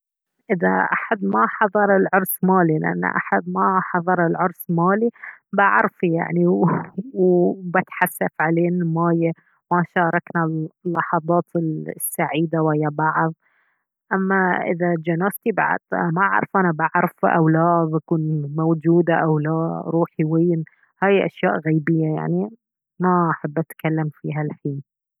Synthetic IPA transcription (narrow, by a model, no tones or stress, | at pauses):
ʔɪða̰ʔaħad̪maħɑðˤɑɾˤɪlʕʊɾˤsmaːlilɪ̰ʔa̰nːa̰ʔa̰ħad̪̚maħɑðˤɑɾˤɪlʕʊɾsmaːlibaʕɾˤfija̰ʕniwbat̪ħasːafʕaleːnɪlmaːja | maʃɑːɾˤɑknalːɑħɑðˤɑːt̪ɪlsːaʕiːd̪awajːabaʕðˤ | ʔamːaʔɪ̰ðad͡ʒanaːst̪iba̰ʕa̰d̪maʕa̰ɾˤfʔanabaʕɾˤfʔa̰wlaːðˤakuːnmowd͡ʒuːd̪aʔawlaːɾˤuːħiwiːn | haːjʔa̰ʃja̰ːʔɣajbɪjːaja̰ʕni | maʔaħabːʔat̪kalːamfiːɦalfiː